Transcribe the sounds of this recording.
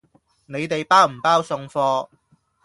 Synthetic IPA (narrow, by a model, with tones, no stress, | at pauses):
ne˨˧jt̪e˨jpaː˥wm̩˨˩paː˥wsʊ˧ŋfɔː˧